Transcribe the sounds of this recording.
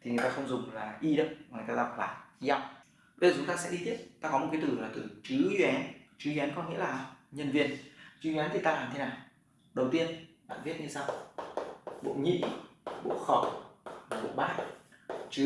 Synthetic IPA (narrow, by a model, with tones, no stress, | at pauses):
t̪ʰi˨˩ŋɨ˨˩jt̪aː˧xə˧wŋ͡mzʊ˨˩ŋ͡mlaː˨˩ʔi˧ɗə˨˦˨ŋ˨˩jt̪aː˧a˨˩p̚laː˨˩i˧za˧˩˨w | e˧˦əː˨˩zu˨˦t̪aː˧˩sɛ̰˧˥ɗi˧t̪ʰi˦˥əp̚t̪aː˧kɔ˨˦o˨˩t̚kaː˨˦t̪ɨ˧˩˨laː˨˩t̪ɨ˨˩t͡ɕɨ˨˦zɛ˨˦nt͡ɕɨ˨˦zwɛ˨˦nkɔ˧nŋḭ˧˥laː˨˩ɲə˧nvi˧ənt͡ɕɨ˨˦zɛ˨˦nt̪ʰi˨˩t̪aː˧laː˨˩mt̪ʰe˨˦naː˨˩w | ɗə˨˩wt̪i˧ənɓa̰ː˧˨nvi˦˥ət̚ɲɨ˧sa˧w | ɓo̰˧˨ɲḭ˧˨ɓo̰˧˨xə˨˧˩wvaː˨˩ɓo̰˧˨ɓaː˦˥j̚t͡ɕɨ˨˦